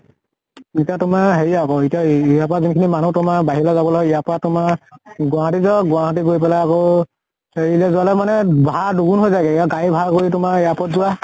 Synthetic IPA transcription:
itijatʊmaɦeɹiakɔitijaijapɔɹazinkʰinimanutʊmabaɦilɔzabɔlɔɡɛijapɔɹatʊmaɡʊaɦatizɔɡʊaɦɔt̬iɡoɹjpɛlaːkɔ | heɹilazʊalɛmanɛbʱaɹduɡunɦojzaɡɛijaɡajibʱaɹkoɹitʊmaijapɔtzʊwa

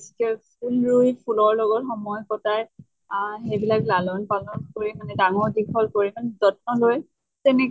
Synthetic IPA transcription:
skɛpʰulɹujpʰulɔɹlɔɡɔtxɔmɔjɔkɔtaɹ | ɦebilaklalɔnpalɔnkoɹimanɛdaŋɔɹdikʰɔlkoɹimanzɔtnɔloj | tɛnɛk

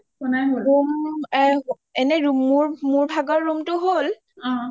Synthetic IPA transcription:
ɔnajɦoumɛ | ɛnɛɹuːuɹmuɹbʱaɡɔɹːumtʊɦol | ɔ̃

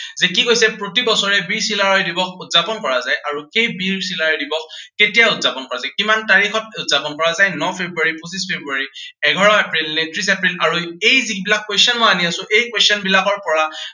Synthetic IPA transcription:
zɛkikojsɛpɹotibɔsɔɹɛbiɹsilaɹɔjdibɔxutz̥apɔnkɔɹazajʔaɹuxejbiɹsilaɹɔjdibɔxketijaʊtz̥apɔnkɔɹazajkimantaɹixɔt̚utz̥apɔnkɔɹazajnɔpʰebɹuaɹipusispʰebɹuaɹiɛɡʱɔɹɔɛpɹilnetʰɹis̬ɛpɹilaɹuejzibilakːwesɔnmɔaniasʊ̃ʔejkwestɔnbilakɔɹpɔɹa

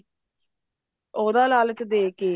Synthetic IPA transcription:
oːd̪aːlaːlt͡ʃd̪eːkeː

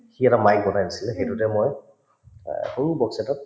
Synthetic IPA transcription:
xiɛtamajk̚bɔnajnasilɛxejtutɛmoj | xoɹubɔksɛtat̚

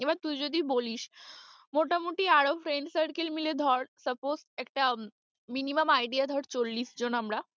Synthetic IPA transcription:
ebat̪ujd͡ʑod̪iboliʃ | moʈamuʈiaɽofʰɾeɳɖsəɾkelmiled̪ʱɔɽsəposʈɛk̚ʈa | miniməmajɖiad̪ʱɔʈt͡ɕolːisd͡ʑonamɾa

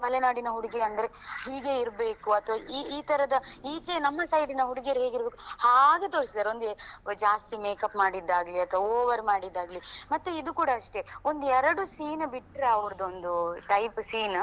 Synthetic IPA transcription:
mɐlɛnaːɽinɐɦuɽiɡeɐnd̪ɐɾe̞hiːɡe̞iɾbe̞ːkuɐt̪ʋɐiːiːt̪ɐɾɐd̪ɐiːt͡ʃenɐmːɐsɐjɖinɐɦuɽiɡeɾeɦeːɡiɾbeːkuhaːɡe̞t̪oːɾisid̪aːɾeo̞nd̪ued͡ʒaːst̪imeːkɐpmaːɽid̪ːaːɡliɐt̪ʋɐoːʋɐɾmaːɽid̪ːaːɡlimɐt̪ːuid̪ukuːɽɐːʂʈe̞o̞nd̪uɛɾɐɽusiːnbiʈːɾeɐʋɐɾɐd̪o̞nd̪uʈɐjpsiːn

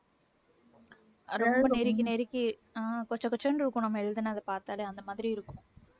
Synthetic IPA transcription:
ɾɔmbɐneɾɪk̬ːineːɾɪkːi | aːkɔɲd͡ʒɐ̃kɔt͡ʃːɐɳɖɪɾɯkːõnɐmːɛɻɯðɯnːaɐðɐpaːɾt̪aːleːɐnd̪ɐmaːðɪɾiɪɾɯkːʊ̃

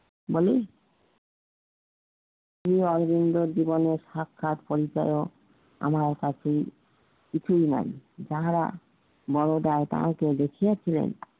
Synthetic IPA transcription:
boli | ʃɾiɔɾbind̪oɾd͡ʑiboneɾʃakʰːat̪poɾit͡ɕa̰jo | a̰maɾkat͡ɕʰe | kit͡ɕʰujna̰jd͡ʑaɦaɾa̰ | bɔɾod̪aet̪ã̰aked̪ekʰijat͡ɕʰilḛn

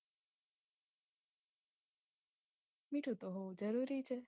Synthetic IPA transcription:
miʈʰũt̪oɦod͡ʒəɾuɾit͡ʃʰe

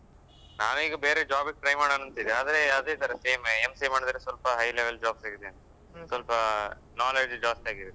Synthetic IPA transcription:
na̰ːnuiːɡɐbeːɾed͡ʒaːbik̚ʈɾɐjmaːɽɐnɐnt̪id̪eaːd̪ɐɾeɐd̪eːt̪ɐɾɐseːmemseːmaːɽid̪ɐɾesʋɐlpɐɦɐjleʋeld͡ʒaːbsaːɡid̪eɐnt̪ɐ | sʋɐlpɐ | naːled͡ʒd͡ʒaːsʈaːɡiʋe

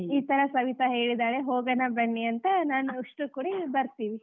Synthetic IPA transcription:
iːt̪ɐɾɐsɐʋit̪ɐɦe̞ːɭid̪aːɭeɦoːɡɐnɐbɐɳːiɐnt̪ɐnaːnuiʂʈukuːɽibɐɾt̪iːʋi

